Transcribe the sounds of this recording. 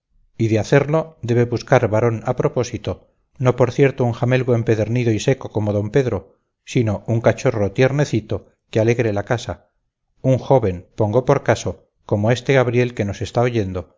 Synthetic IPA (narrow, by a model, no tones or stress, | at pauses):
iðeaθe̞ɾlo̞d̪e̞βeβuskaɾβaɾo̞napɾo̞po̞sit̪o̞ | no̞po̞ɾθje̞ɾt̪ouŋxame̞lɣoe̞mpe̞ðeɾniðo̞ise̞ko̞ko̞moðo̞mpe̞ðɾo | sino̞uŋkat͡ʃo̞rot̪je̞ɾne̞θit̪o̞ | keale̞ɣɾelakasa | uŋxo̞βe̞mpo̞ŋɡo̞po̞ɾkaso̞ | ko̞moe̞st̪eɣaβɾje̞lke̞no̞se̞st̪aoʝend̪o̞